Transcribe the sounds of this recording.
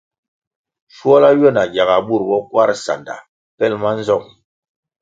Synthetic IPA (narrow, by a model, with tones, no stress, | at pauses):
ʃu˦ɔ˦la˦ɥɔ˦˨na˨ɡa˨ɣa˨bu˦˨ɾbɔ˦kwa˦ɾsa̰˨nda̰˨ | pɛ˦˨lma˦n˦zɔ˦˨ŋ